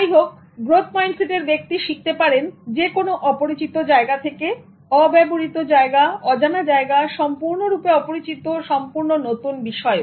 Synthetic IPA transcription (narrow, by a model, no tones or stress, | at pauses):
ajɦok̚ | ɡɾot̪ʰmajnseʈeɾbek̚t̪iʃik̚t̪epaɾend͡ʑekonoʔɔpoɾit͡ɕit̪od͡ʑaeɡat̪ʰeke | ɔbɛboɾit̪od͡ʑaeɡaɔd͡ʑanad͡ʑaeɡaʃɔmpuɾnoɾupeɔpoɾit͡ɕit̪oʃɔmpuɾnonot̪unbiʃɔe